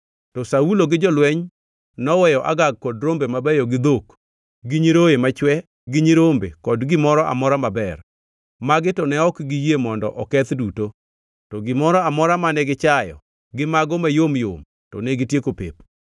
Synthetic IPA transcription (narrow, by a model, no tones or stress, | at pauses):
tɔsauloɡɪd͡ʒɔlwɛɲ | nɔwɛjɔʔa̰ɡaɡ̚kːɔdɾombemabɛjɔɡɪd̪ok | ɡiɲiɾojemat͡ʃwɛ | ɡɪɲiɾombḛkɔdɡɪmɔɾɔʔa̰mɔɾamabɛr | maɡɪtɔnɛɔkɡijemɔndɔ̰ʔɔkɛt̪duto | tɔɡɪmɔɾɔamɔɾamanɛɡɪt͡ʃajɔ̰ | ɡɪmaɡɔmajomjo̰m | tɔ̰neɡɪtjekopḛp